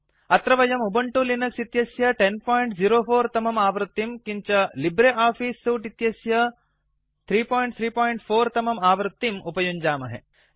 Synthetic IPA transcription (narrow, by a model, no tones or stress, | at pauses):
ɐt̪ɾɐʋɐjɐmubɐɳʈulinɐksit̪jɐsjɐʈenpaːjɳʈziɾoːfʰoːɾt̪ɐmɐmaːʋɾɨt̪ːimkiɲt͡ʃɐlibɾeʔaːfiːsːuːʈit̪jɐsjɐ | t̪ʰɾiːpoːjɳʈ̚t̪ʰɾiːpoːjɳʈpʰoːɾt̪ɐmɐmaːʋɾɨt̪ːimupɐjuɲd͡ʒaːmɐɦḛ